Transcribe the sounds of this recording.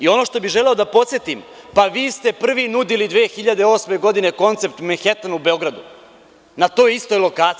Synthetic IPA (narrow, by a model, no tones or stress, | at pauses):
io̞no̞ʂt̪o̞biʒele̞o̞d̪apo̞t̪sjet̪impaʋiːst̪e̞pr̩ʋinud̪ilid̪ʋeːxiʎad̪e̞o̞sme̞ɡo̞d̪ine̞ko̞nt̪se̞p̚t̪menxet̪anube̞o̞ɡɾad̪u | nat̪o̞ːist̪ojlo̞kaːt̪i